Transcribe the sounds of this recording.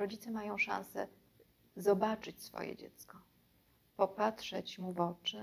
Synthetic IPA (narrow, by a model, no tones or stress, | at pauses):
ɾɔd͡ʑit̪sɛmajɔ̃w̃ʂã̰ñsɛ̰ | zɔbat͡ʂɘt͡ɕsfɔ̰jɛ̰d͡ʑɛ̰t̪skɔ | pɔpatʂɛt͡ɕmuvɔt͡ʂɘ